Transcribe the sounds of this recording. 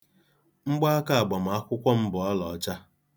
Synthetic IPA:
ŋ͡m̩˦ɡ͡ba˦a˦ka˦a˨ɡ͡bɔ˨m̩˨a˦kʷʊ˦kʷɔ˦m̩˦bʊ˨ɔ˦lɔ˨˦t͡ʃa˦

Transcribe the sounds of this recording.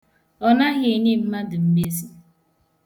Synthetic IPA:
ɔ˨na˦ɣɪ˨ni˦m̩˦ma˦dʊ˨m̩˦me˦zi˦

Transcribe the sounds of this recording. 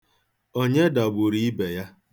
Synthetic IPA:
o˦ɲe˦da˨ɡ͡bʊ˨ɾi˦i˦be˨ja˦

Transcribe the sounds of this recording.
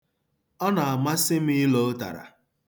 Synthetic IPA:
ɔ˦na˨a˨ma˦sɪ˦m̩˦ɪ˦lo˦ta̰˨ɾa̰˨

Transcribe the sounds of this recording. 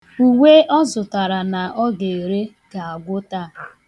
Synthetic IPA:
u˨we˦ʔɔ˦zʊ˨ta˨ɾa˨na˨ʔɔ˦ɡe˨e˨ɾe˦ | ɡa˨a˨ɡʷʊ˦ta˦˨

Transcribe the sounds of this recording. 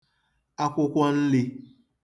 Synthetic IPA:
a˦kʷʊ˦kʷɔ˦n̩˦lɪ˦

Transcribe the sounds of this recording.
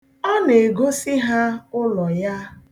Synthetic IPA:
ɔ˦ne˨ɡo˦si˦ɦa˦ʊ˦lɔ˨ja˦

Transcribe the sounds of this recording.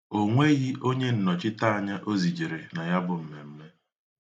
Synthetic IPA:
o˦ŋʷe˦ɣi˦ʔo˦ɲe˦n̩˨nɔ˨t͡ʃɪ˦ta˦a˨ɲa˦ʔo˦zi˨d͡ʒi˨ɾe˨na˨ja˦bʊ˨m̩˨me˨m̩˦me˦

